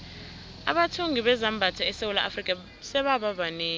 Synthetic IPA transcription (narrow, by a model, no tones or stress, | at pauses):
a̰ɓatʰoŋiɓɛzambʱatʰaɛsewulaʔafrikʼa | sɛɓaɓaɓaneː